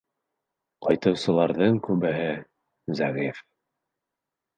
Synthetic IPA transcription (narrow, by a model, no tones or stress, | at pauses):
qɑjt̪ɤ̆wsɤ̆lˠɑɾðɤɴkʉbɘɦɘ | zæʁif